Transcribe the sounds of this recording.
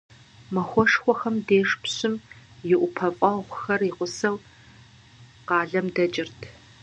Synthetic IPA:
mɐxʷɔʂxʷɔxɐmdeːʂpɕɪmjɪʔʷʊpʰɐfʼɐʁʷʊxɐriqʷʊsɐw | qɑːɮɐmdɐt͡ʃʼɪrtʰ

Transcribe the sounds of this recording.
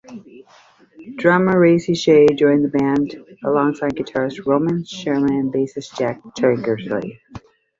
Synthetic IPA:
d̥ɹɑməɹeɪsiʃeɪd͡ʒɔ̃ɪ̃nðəbæ̃ndəlɔ̃ŋsaɪd̚ɡɨtʰɑɹɨst̚ɹõʊ̃mɨ̃nʃɛɹmɨ̃nɨ̃nbeɪsɨsd̥ʒ̥æk̚tʰɜ̃˞ŋɡə˞zlḭ

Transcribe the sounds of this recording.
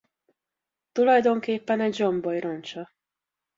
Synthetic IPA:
t̪ulɒjd̪o̞ŋkeːpːɛnɛɟd͡ʒombojront͡ʃɒ

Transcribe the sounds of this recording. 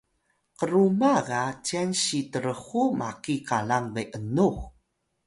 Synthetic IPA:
qəɾumaɣat͡ɕianɕitəɾəχuma̰kikalaŋvejʔənuχ

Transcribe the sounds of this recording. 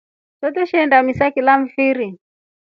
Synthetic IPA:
tɔtɛʃiɛndamisakilam̩fiɾi

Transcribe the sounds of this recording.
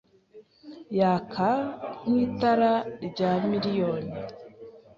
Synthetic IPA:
jaːkʰan̥iːtaɾaɟaːmiɾijoːni

